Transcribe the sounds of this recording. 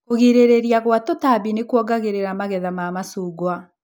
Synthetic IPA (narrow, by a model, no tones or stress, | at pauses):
oɣeɾeɾeɾiaɣwatɔtabinekwɔɡaɣeɾeɾamaɣɛðamaːmasuːɡwa